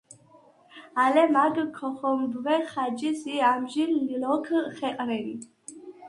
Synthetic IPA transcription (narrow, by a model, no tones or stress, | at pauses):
alɛmaɡkʰɔχɔmbvɛχad͡ʒisiamʒilːilɔkʰəχɛqʼɾɛni